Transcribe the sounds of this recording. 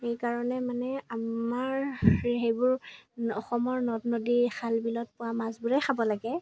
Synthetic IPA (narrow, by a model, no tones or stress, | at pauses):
xejkaɹɔnɛmanɛamaɹɦejbʊɹɔxɔmɔɹnɔtnodixalbilɔt̚pʊwamazbʊɹɛxʰabɔlaɡɛ